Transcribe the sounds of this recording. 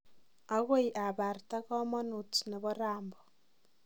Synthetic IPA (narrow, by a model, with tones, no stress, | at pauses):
a˦ɣo˦i˨ʔa˨βa˨rta˦kɔ˦mɔ˦nu˨tne˨βɔ˦ɾaːmbɔ